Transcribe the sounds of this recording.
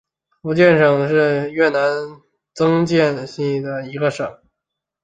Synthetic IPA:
fu˧˥t͡ɕjɛ˥˩nʂɤ˨˩ŋʂɻ̩˥˧ɥɛ˥˩na˧˥n | t͡sɤ˥ŋt͡ɕjɛ˥˧nɕi˥˩ŋd̪ə˩i˧˥ɡə˧ʂɤ˨˩˦ŋ

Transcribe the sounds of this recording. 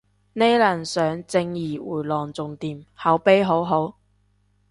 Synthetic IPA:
ne˥jlɐ˨˩nsœː˨˥ŋt͡sɪ˧ŋjiː˨˩wuː˨˩jlɔː˨˩ŋt͡sʊ˨ŋt̪iː˨mhɐ˨˥wpe˥jɦo˨˥wɦo˨˥w

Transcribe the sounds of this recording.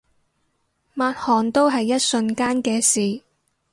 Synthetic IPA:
maː˧t̚hɔː˨nt̪o˥wɦɐ˨jːɐ˥t̚sɵ˧nkaː˥nkɛː˧siː˨

